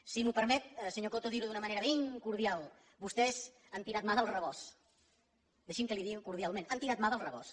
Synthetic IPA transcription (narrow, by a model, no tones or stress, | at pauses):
simupəɾmɛt̪̚səɲokot̪oðiɾuðunəməneɾəβeŋkuɾðialˠ | bust̪ɛz | ant̪iɾat̪̚maðəlˠrəβ̞ɔs | d̪əʃimkəliðiɣŋkuɾðialˠmẽnant̪iɾat̪̚maðəlˠrəβɔ̰s